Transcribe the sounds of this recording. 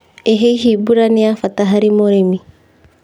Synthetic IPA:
eɦeiɦibuɾaniafat̪aɦaɾimoɾemi

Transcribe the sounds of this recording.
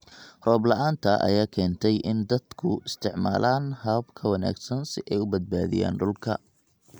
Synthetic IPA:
rɔːblɐʔaːnt̪ʰɐʔɐ̰jaːkʰɛːnt̪ʰɛjʔɪnd̪ɐd̪kʰʊɪst̪ʰɪʕma̰ːlʔaːnhɐbkʰɐwɐna̰ːɡsɐnsɪʔɛjʊbɐd̪̚baːðɪ̰ja̰ːnɖʊlkʰɐ̰

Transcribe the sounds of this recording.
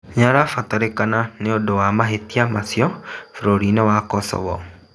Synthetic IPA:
ɲaɾafataɾekananeodowamaɦetiamasiɔfɾoɾinɔwakɔsɔ̰βɔ̰

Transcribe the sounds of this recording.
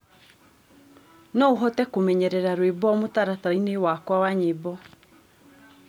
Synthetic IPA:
nɔuɦɔtɛkomɛɲɛɾɛɾaɾwebɔmotaɾaθainewakwawaɲebɔ

